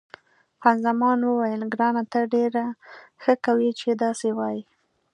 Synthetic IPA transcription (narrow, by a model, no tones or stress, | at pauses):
hanzamɑnwəwajəlɡɾɑnat̪aɖeɾaxəkawit͡ʃed̪ɑsewɑji